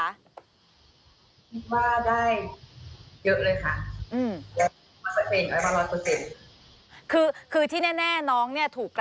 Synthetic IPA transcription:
kʰi˦˥t̪̚waː˥˩daː˥˩j | jɤ˦˥ʔlɤː˧jkʰa˥˩ʔʔɯː˧mdi˨˩˦ | aː˧˩o˧ʔeː˨˩ŋʔa˨˧˩ma˧lɔː˧kʰo˧˩se˨˩n̚ | kʰɯː˧kʰɯː˧t̪ʰiː˥˩nɛː˥˩nɛː˥˩nɔː˦˥ŋni˥˩ɐt̪ʰuː˨˩kː

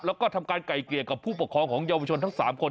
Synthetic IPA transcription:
lɛː˦˥wkɔː˥˩t̪ʰa˧mkaː˧nka˨˩jkli˨˩əka˨˩pʰːuː˥˩pu˨˩kʰɔː˧ŋkʰɔː˩˦ŋjaː˧wa˧˩t͡ɕʰo˧nt̪ʰa˦˥ŋsaː˩˦mkʰo˧n

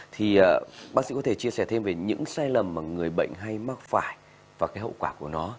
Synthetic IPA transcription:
t̪ʰi˨˩ʔəː˨˩ɓaː˦˥k̚sḭ˧˥kɔ˨˦e˧˩t͡ɕi˧əsɛ˧˩t̪ʰe˧mve˨˩ɲɨ̰˧˥ŋsaː˧jlə˨˩mːaː˨˩ŋɨ˨˩əjɓə̰˧˨jŋ̟ɦa˧jma˦˥k̚faː˧˩j | vaː˨˩kaː˨˦jɦə̰˧˨wkwaː˧˩ku˧˩ənɔ˨˦

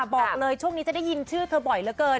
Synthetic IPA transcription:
ɓɔː˨˩ləː˧jt͡ɕu˥˩ŋi˨˦˥t͡ɕa˨˩daː˥˩ji˧nt͡ɕʰɯː˥˩t̪ʰəː˧ɓɔ˨˩jləː˨˦kəː˧

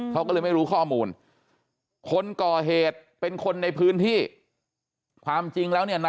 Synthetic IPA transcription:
kʰa˦˥wkɔ˥˩ɤː˧jma˥˩jɾuː˦˥kʰɔː˥˩muː˧n | kʰo˧nkɔː˨˩ɦeː˨˩t̪̚pe˧nkʰo˧nːa˧jpʰɯː˦˥nt̪ʰiː˥˩ | kʰwaː˧mt͡ɕi˧ŋlɛː˦˥wni˥˩ɐna˧

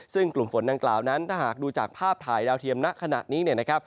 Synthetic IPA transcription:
sɯ˥˩ŋklu˨˩mfo˩˦nda˧ŋklaː˨˩wna˦˥nt̪ʰaː˥˩ɦaː˨˩k̚duː˧t͡ɕaː˨˩k̚pʰaː˥˩p̚t̪ʰaː˨˩jdaː˧wt̪ʰi˧əmna˦˥ʔkʰa˧na̰ː˨˩t̪̚niː˦˥ni˥˩ɐna˦˥kʰɾa˦˥p̚

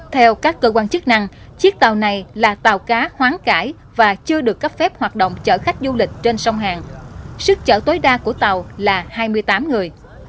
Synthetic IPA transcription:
t̪ʰɛ˧wkaː˦˥kːəː˧kwaː˧nt͡ɕɨ˦˥k̚na˧ŋ | t͡ɕi˦˥ək̚t̪a˨˩wna˨˩jlaː˨˩t̪a˨˩wkaː˨˦hwaː˨˦ŋkaː˧˩j | vaː˨˩t͡ɕɨ˧əɗɨ˨˩əkːə˦˥p̚fɛ˦˥p̚hwaː˨˩t̚ɗo̰˧˨wŋ͡mt͡ɕə̰ː˧˩xa˦˥jk̟̚zu˧lï˨˩k̟̚t͡ɕe˧nsa˧wŋ͡mɦaː˨˩ŋsɨ˦˥k̚t͡ɕəː˧˩t̪o˨˦jɗaː˧ku˧˩ət̪a˨˩wlaː˨˩haː˧jmɨ˧əjt̪aː˨˦mŋɨ˨˩əj

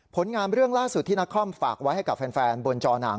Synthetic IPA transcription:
pʰo˩˦nŋaː˧mɾɯ˥˩əŋlaː˥˩su˨˩t̪ʰːiː˥˩na˦˥kʰːɔ˥˩mfa̰ː˨˩k̚wa˦˥jha˥˩jka˨˩pfɛː˧nfɛː˧nbo˧nt͡ɕɔː˧na̰˩˦ŋ

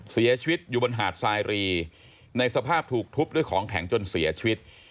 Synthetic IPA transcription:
si˩˦ɐt͡ɕʰi˧wi˦˥t̪̚juː˨˩bo˧nɦaː˨˩t̪̚saː˧jɾiː˧ | na˧jsa˧pʰaː˥˩p̚t̪ʰuː˨˩k̚t̪ʰu˦˥p̚du˥˩jkʰɔː˩˦ŋkʰɛ̰˩˦ŋt͡ɕo˧nsi˩˦ɐt͡ɕʰi˧wi˦˥t̪̚

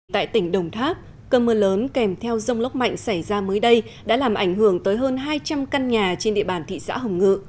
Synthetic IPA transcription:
t̪a̰ː˧˨jt̪ï˧˩ŋ̟ɗə˨˩wŋ͡mt̪ʰaː˦˥p̚ | kəː˧məː˧ləː˨˦nkɛ˨˩mt̪ʰɛ˧wzə˧wŋ͡mlə˦˥wk͡p̚ma̰˧˨jŋ̟sa˧˩jzaː˧məː˨˦jɗə˧jɗa̰ː˧˥laː˨˩mʔa˧˩jŋ̟ɦɨ˧˩əŋt̪əː˨˦jɦəː˧nɦaː˧jt͡ɕa˧mka˧nɲaː˨˩t͡ɕe˧nɗḭ˧˨əɓaː˧˨˩nt̪ʰḭ˧˨sa̰ː˧˥ɦə˨˩wŋ͡mŋɨ̰˧˨

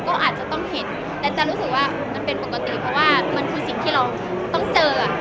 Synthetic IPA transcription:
kɔː˥˩ʔaː˨˩t̪̚t͡ɕa˨˩t̪ɔ˥˩ŋhe˩˦n | t̪ɛ˨˩t͡ɕa˨ɾuː˦˥sɯ˨˩k̚waː˥˩ʔma˧npe˧npo˨˩ka˧t̪ḭ˨˩pʰɾɔ˧˥waː˥˩ma˧nkʰɯː˧si˨˩ŋt̪ʰiː˥˩ɾa˧w | t̪ɔ˥˩ŋt͡ɕɤː˧˩

